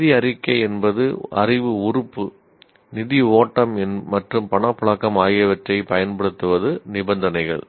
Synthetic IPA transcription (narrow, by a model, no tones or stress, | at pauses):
nɪðɪɐrɪkːɐɪɛnbɐðɯɐ̰rɪʋɯʊrʊpːɯ | nɪðɪoːʈːɐmɛnmɐʈrɯmpɐɳɐpːʊɭɐkːɐmaːjɪɐʋɐʈrɐɪpɐjɐnpɐɽɯt̪ːɯʋɐðɯnɪbɐnd̪ɐnɐɪɣɐ̰ɭ